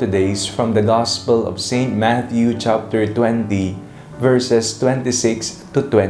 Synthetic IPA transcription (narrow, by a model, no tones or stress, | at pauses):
t̪ʊd̪eɪsfɹɔ̃md̪ɐɡɑspəlɔ̰v̥sẽɪnt̪̚mæt̪jut͡ʃap̚t̪ɛɹt̪wɛ̃nt̪i | vɛɹsɛst̪wɛ̃nt̪isɪkst̪ut̪wɛ̃